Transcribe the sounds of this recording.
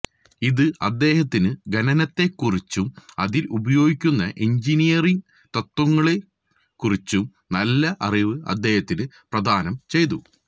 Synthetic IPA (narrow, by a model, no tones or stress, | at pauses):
iðɨɐd̪ːe̞ːhɐt̪ːinɨɡɐnɐnɐt̪ːe̞kːurit͡ɕːumɐðilubɐjo̞ːɡikʲːunːɐʔiɲd͡ʑinijɐriŋ | t̪ɐt̪wɐŋːɐɭe | kːurit͡ɕːum | nɐlːɐʔɐriʋɨɐ̰d̪ːe̞ːhɐt̪ːinɨ | prɐd̪ʱaːnɐmt͡ɕe̞jt̪̬u